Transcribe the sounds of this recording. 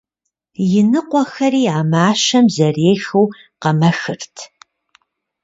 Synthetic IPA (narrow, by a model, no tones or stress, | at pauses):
jɪnɨqʷɔxɐɾiːaːmaːʃɐmzɐreːxɐw | qɐmɐxɨrtʰ